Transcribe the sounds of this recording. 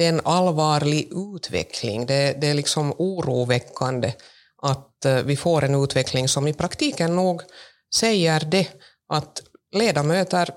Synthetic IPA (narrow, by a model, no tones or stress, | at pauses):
ɛːnɑlvɑːɾɭɪɡʉːt̪ʰʋɛ̰kʰlɪ̰ŋd̪ɛd̪ɛlɪksɔmuːɾuːvɛkːand̪ə | ʔat̪vɪfoːɾʔɛnʉːt̪vɛklɪŋsɔmɪpʰɾakt̪ʰiːkənːuːɡ | sɛjːəɾd̪ɛ | ʔat̪leːd̪amøːt̪əɾ